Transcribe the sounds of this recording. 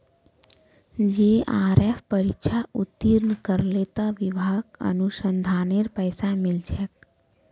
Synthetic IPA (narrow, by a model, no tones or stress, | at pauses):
d͡ʒeaːɾepʰpəɾikʃʰaut̪ːiɾnkəɾlet̪aʋibʱaːɡə̰nusənd̪ʱaːneɾpəɪsamɪld͡ʒʰɛk̚